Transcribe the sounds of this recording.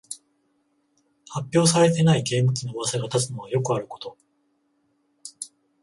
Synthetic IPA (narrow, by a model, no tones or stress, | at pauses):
hapʲːo̞ːs̬aɾe̞t̪̬e̞naiɡe̞ːmɯ̟kʲino̞ːβasaɡat̪at͡sɨno̞β̞ajo̞kɯ̟aɾɯ̟ko̞t̪o̞